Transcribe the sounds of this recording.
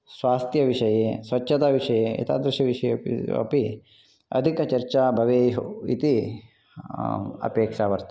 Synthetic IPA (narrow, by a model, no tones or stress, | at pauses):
sʋaːst̪jɐʋiʂɐjeːsʋɐtːʃʰɐt̪aːʋiʂɐjeːḭt̪ʰa̰ːd̪ɾɪʃjɐʋiʂɐjeɐ̰pi | ɐ̰d̪ʱikɐt͡ʃɐɾt͡ʃaːbʱɐʋeːɦḭt̪i | ɐ̰peːkʂaːʋɐɾt̪